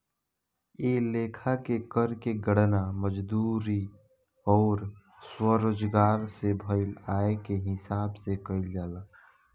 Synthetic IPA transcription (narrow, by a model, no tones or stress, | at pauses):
eːleːkʰakekəɾkeɡəɽnaməd͡ʒd̪uɾi | ɔːɾ | swəɾoːd͡ʒɡaːɾsebʱəɪlaːekeɦɪsaːbsekəɪld͡ʒala